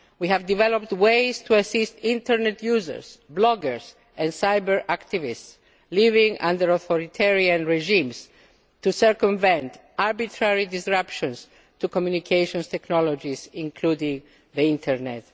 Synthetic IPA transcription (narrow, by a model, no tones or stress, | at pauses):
wihævd̪ivɛlɔp̚t̪wejst̪ʰuasist̪ĩnt̪ɛɾnɛt̪ʰjuzə̰ɹsblɔɡəɹs | ɛ̃nsajbəɹakt̪ivists | livĩŋã̰ndəɾɔθɔɾit̪ʰɛɹiãnɹeʒĩms | t̪usəɹkɔ̃ɱvɛ̃nt̪ʔaɹbit̪ʰɾaɹid̪isɹapʃɔ̃ns | t̪ukɔmjunikʰejʃɔ̃nst̪ɛknɔlɔd͡ʒisĩŋkʰludĩŋ | ðiĩnt̪ʰɛɹnɛ̰t̪